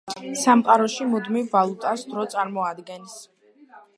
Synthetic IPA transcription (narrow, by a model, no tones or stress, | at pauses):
samqʼaɾɔʃimud̪mivːalˠut̪ʼasd̪ɾɔt̪sʼaɾmɔad̪ɡɛns